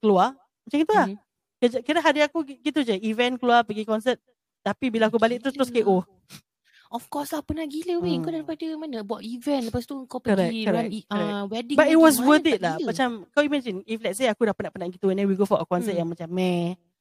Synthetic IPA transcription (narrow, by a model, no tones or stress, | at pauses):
kəlua | mat͡ʃãŋɡit̪ulah | kəd͡ʒakədaɦadiakuɡɡit̪ud͡ʒəivɛ̃nkəluapəɡikɔnsət̪̚ | t̪apibilaakubalɪk̚t̪əɾʊst̪ɾʊskeʔo | ɔfkɔslapənaɡiləwiəŋkɔdalpadəmanəbuaʔivɛ̃nləpast̪uəŋkapəkɔɾɛkkɔɾɛwɛdĩbat̪it̚wɔs̬wəd̪id̪̚lahmmat͡ʃamkawimɛ̃d͡ʒiniflɛk̚s̬eakudahpənaʔpənaʔɡit̪uwɛnɛ̃wiɡofɔʔəkɔnsət̪̚jaŋmat͡ʃamːɛ̃